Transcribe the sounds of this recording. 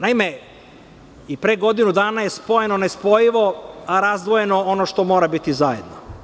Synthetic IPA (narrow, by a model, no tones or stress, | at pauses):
naime | ipɾeɡo̞d̪inud̪aːnajespo̞jenonespo̞jiʋo̞aɾazd̪ʋo̞jeno̞onoʃt̪o̞mo̞ːɾabit̪izajed̪no